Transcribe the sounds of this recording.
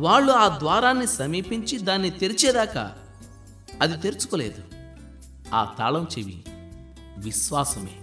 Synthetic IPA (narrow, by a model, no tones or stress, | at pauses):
ʋaːɭːuaːd̪ʋaːɾaːnːisɐmiːpiɲt͡ʃid̪aːnːit̪eɾit͡ʃɛːd̪aːkɐ̰ | ɐd̪it̪e̞ɾut͡ʃu̥kole̞ːd̪u | a̰ːt̪a̰ːlɐmt͡ʃeʋḭ | ʋiʃʋaːsɐmḛː